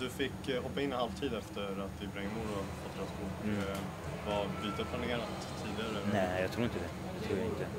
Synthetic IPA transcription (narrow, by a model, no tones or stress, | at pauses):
d̪ɵfɪkːɦɔpːaɪnːənhalvt̪ʰiːd̪ɛft̪əɾat̪̚d̪ɪbɾɛŋːmuɾɔfat̪ʰːɾɛaskʰʊk | vɑbiːt̪apʰlaneːɾat̪ʰːiːd̪ɪɡaɾənɛjɑt̪ʰɾuːɪnt̪əd̪ɛ | d̪ɛt̪ʰɾuːɾjaɪnt̪ə